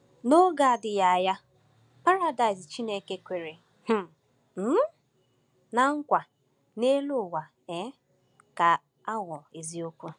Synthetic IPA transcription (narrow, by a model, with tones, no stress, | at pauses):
no˦ɡa˨dɪ˨ja˨a˨ja˦ | pa˦ɾa˨da˨ɪ˨s̬t͡ʃi˦ne˦˨ke˦kʷe˨ɾe˨ | h̩˦ | m̩˦ | na˨ŋ̩˦kʷa˨ | ne˦lʊ˦˨wa˨ | e˦ | ka˨ | a˦ŋɔ˨e˨zi˦o˦kʷu˦